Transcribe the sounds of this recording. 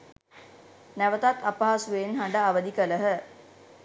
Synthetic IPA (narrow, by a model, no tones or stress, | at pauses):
næʋət̪at̪ːapaɦasuʋeːnɦaɳɖaːʋəd̪ikələɦə